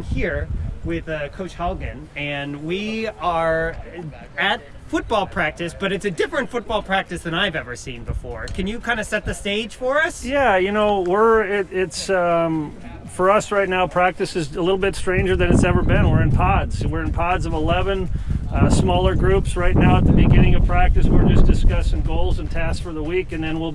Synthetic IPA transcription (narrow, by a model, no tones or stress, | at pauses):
hiɹwɪðəkʰoʊt͡ʃhɑlˠɡɨ̃nɨ̃nwiə˞ | ɨt̚ | fʊt̚b̥ɔlˠpʰɹ̥æk̚tɨsb̥ʌɾɨtsɨdɪfɹɨ̃ntfʊt̚b̥ɔlˠpʰɹ̥æk̚tɨsðɨ̃ñaɪvɛvə˞sĩnbəfɔɹkʰɨ̃njɨkʰãɪ̃ndɨsɛt̪̚ðɨsteɪd̥ʒ̥fə˞ʌsjæjɨnoʊwɪɹɪɾɪts | fə˞ʌsɹaɪtⁿnaʊpʰɹ̥æk̚tɨsɨzəlɪɾl̩ˠbɪtstɹ̥ẽɪ̃nd͡ʒə˞ðɨ̃nɨtsɛvə˞bɪ̃nwɪɹɨ̃npʰɑdz̥wɪɹɨ̃npʰɑdzʌvəlɛvɨ̃nsmɔlˠə˞ɡɹʉpsɹaɪtⁿnaʊət̪̚ðɨbɨɡɪ̃ñɪ̃ŋʌv̥pʰɹ̥æk̚tɨswɪɹd͡ʒʌsd̥ɨskʌsɪ̃ŋɡoʊlˠzɨ̃ntʰæssfə˞ðəwikɨ̃nðɨ̃nwilˠ